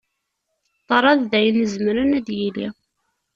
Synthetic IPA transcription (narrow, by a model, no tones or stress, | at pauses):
t̪ˤːɑɾˤɑððæjənːəzmɾənæd̪jilḭ